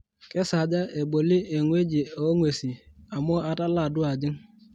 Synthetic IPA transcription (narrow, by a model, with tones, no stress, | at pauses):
ke˦sa˨d͡ʒa˦e˨ɡ͡bo˨li˦e˨ŋʷe˦d͡ʒi˨o˦ŋʷe˨si˨a˨mʊ˦a˦ta˦la˦˨dʊ˦a˨d͡ʒɪ˦ŋ˦